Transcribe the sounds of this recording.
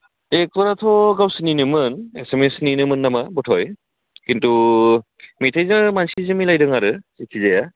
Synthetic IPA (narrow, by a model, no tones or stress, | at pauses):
ek̚tɔɾatʰɔɡawsɯninɯmɯnesemesninɯmɯnːamabɔtʰɔj | kintu | mitʰajzamansizɯmilajdɯŋaɾɯekʰizaja